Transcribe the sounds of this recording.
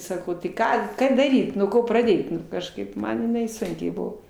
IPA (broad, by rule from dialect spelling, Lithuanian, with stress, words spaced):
ˈsɑːkɐʊ tɐɪ ˈkɑː ˈkɑː dɐˈrʲiːt nuɔ ˈkoː prɐˈdʲeːt ˈnʊ kɐʃˈkɐɪp ˈmɐn jɪˈnɐɪ ˈsʊŋʲkʲɛɪ ˈbʊʋoː